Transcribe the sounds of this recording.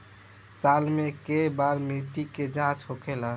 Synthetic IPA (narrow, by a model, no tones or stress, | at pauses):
salmekebaɾmeʈiked͡ʒãt͡ʃɦokʰela